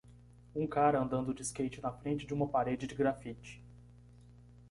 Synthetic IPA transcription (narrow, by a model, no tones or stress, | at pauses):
ũkaɾɐɐ̃nd̪ɐ̃nd̪ʊd͡ʒɪskejt͡ʃɪnɐfɾẽnt͡ʃɪd͡ʒɪũmɐpaɾed͡ʒɪd͡ʒɪɡɾafit͡ʃɪ̥